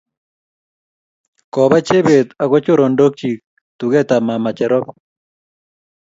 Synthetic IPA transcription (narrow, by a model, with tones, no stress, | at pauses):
kɔ˨βa˦t͡ʃe˦βe˨t̪a˨ɣɔ˦t͡ʃo˦ɾo˨ndo˦k̚t͡ʃi˨k̚ | t̪u˨ɣɛ˦t̪a˨ma˨ma˨t͡ʃɛ˨ɾɔ˦p